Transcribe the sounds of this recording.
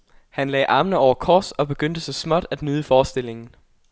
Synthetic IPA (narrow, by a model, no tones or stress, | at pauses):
hænlɛ̰ːʔɑ̈mnəɒʊ̰ɐkʰɒːsɒ̽b̥e̝ɡ̥øn̰d̥əsɑ̈smɒd̥æd̥nyːðˠəfɒːsd̥e̝l̰e̝ŋn̩